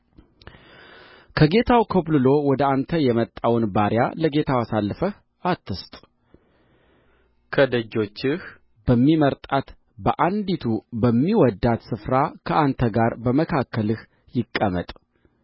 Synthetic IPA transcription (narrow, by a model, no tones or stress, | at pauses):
kʰəɡe̞t̪ʰawkʰoblɨlo̞wɔd̪əant̪ʰəjɛmət̪ʼːawnbaɾja̰ləɡe̞t̪ʰawasalːəfəh | ʔat̪ːɨst̪ʼ | kʰəd̪əd͡ʒːo̞t͡ʃːɪh | b̥əmːiməɾt̪ʼat̪ | bəʔand̪it̪ʰubəmːiwɔd̪ːat̪sɨfɾakʰəʔant̪ʰəɡaɾbəməkʰakːəlɨh | jɪkʼːəmə̰t̪ʼ